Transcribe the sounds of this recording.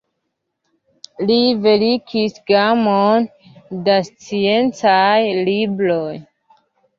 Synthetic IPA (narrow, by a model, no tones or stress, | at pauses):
live̞likʰisɡamondast͡sie̞nt͡sajlibɾo̞j